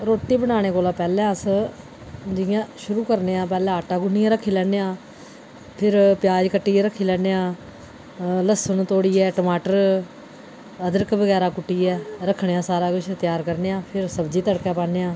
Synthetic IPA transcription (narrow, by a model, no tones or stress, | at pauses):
ɾoːʈːiːbənaːɽ̃eːkoːlãːpɛːlɛ̃ːəs | d͡ʒɪjãːʃʊɾuːkəɾneːãːpɛːlɛ̃ːəʈːãːɡʊnːijãːɾəkʰːiːlɛːneːãː | pʰɪɾpjaːd͡ʒkəʈːiːɛːɾəkʰːiːlɛːneːãː | ləsənt̪oːɽiːɛːʈːmaːʈəɾ | əd̪əɾəkʋəɡɛːɾaːkʊʈːiːɛːɾəkʰːɳeːãːsaːɾãːkɪt͡ʃʰt̪ɪjaːɾkəɾneːãːpʰɪɾsəbd͡ʒiːt̪əɽkãːpaːneːãː